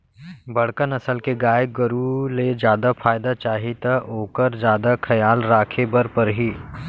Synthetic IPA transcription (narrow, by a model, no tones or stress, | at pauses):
bɐɽ̤kənɐsəlkeɡaːj̚ɡɐɾuled͡ʒjaːd̪afʰaːjd̪at͡ʃaːɦit̪aʔoːkəɾd͡ʒjaːd̪akʰɐjaːlɾaːkʰebɐɾpɐɾɦiː